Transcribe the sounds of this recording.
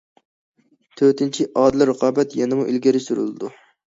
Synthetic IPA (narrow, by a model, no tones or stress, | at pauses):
t̪ʰøɾt̪ʰɪnt͡ʃʰiʔɑːd̪ɨlˠɨɾəqʰɑːbɛt̪jɛnɪmuʔilɡʲɪɾɪsyɾy̰lˠɨd̪u